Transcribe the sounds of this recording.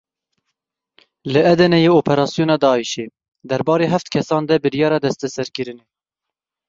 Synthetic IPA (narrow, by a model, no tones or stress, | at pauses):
lɨɛd̪ɛnɛjeoːpʰɛɾɑːsijuːnɑːd̪ɑːiʃe | d̪ɛɾbɑːɾeːɦæft̪kʰɛsɑːnd̪ɛbɨɾjɑːɾɑd̪ɛst̪ɛsɛɾkɨɾɨne